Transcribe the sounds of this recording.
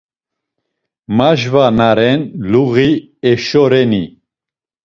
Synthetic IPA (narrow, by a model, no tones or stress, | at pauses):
maʒvanaɾɛnluɣi | ɛʃɔɾɛni